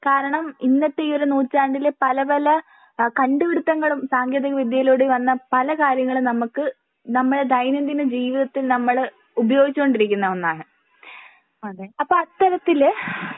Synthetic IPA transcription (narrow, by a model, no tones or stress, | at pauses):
kaːɾɐɳɐminːɐt̪ːeoɾunuːt͡ɕːaːɳɖilpɐlɐbɐlɐ | kɐɳɖuʋiɽut̪ːɐŋːɐɭumsaːŋɡjɐðiɣɐʋid̪jɐiloːɽeʋɐnːɐpɐlɐkaːɾjɐŋːɐɭunɐmukːɨ | nɐmːɐɽed̪ɐjnɐnd̪inɨd͡ʑiːʋiðɐt̪ːilnɐmːɐɭ | ubɐjo̞ːɡit͡ɕːuko̞ɳɖiɾikʲːunːɐonːaːɳɨ | okːeɐpːoːɐt̪ːɐɾɐt̪ːil